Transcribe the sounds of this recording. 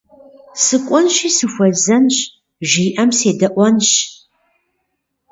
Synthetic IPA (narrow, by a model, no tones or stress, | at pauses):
sɨkʷʼɔnʃiːsɨxʷɐzɐnɕ | ʒiːʔɐmseːdɐʔʷɔnɕ